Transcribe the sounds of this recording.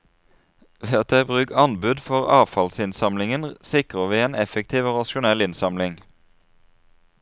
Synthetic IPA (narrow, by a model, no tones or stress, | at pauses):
ʋeːɑt̪̚d̪æbʁʉːkɑnbʉd̪fɔʁɑːʋfɑlsɪnsɑmlɪŋənsɪkʁəʋiːeːnɛfək̚t̪ʰiːʋoːʁɑʃʊnɛlɪnsɑmlɪŋ